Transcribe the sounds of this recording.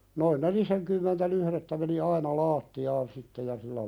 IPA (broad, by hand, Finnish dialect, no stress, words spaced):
noin neliseŋkymːentæ lyhɾetːæ meni ɑinɑ lɑːtːiɑːn sitːe jɑ silːæ